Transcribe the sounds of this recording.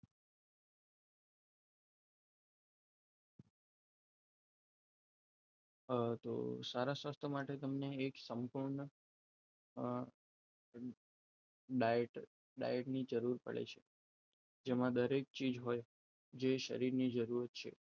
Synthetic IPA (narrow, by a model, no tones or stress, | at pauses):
t̪o̰saɾasʋast̪ʰəmaʈet̪əmneːksəmpuɾɳə | ɖaeʈ | ɖa̰jəʈnid͡ʒəɾuɾpə̰ɭḛt͡ʃʰe | d͡ʒemãd̪əɾek̚t͡ʃid͡ʒɦoj | d͡ʒeʃə̰ɾiɾnid͡ʒəɾuɾət̪̚t͡ʃʰḛ